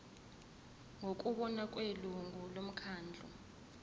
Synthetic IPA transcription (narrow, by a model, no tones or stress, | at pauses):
ŋokʼuɓɔnakʼweluŋulom̩kʰaːnd͡ɮʱɔ̰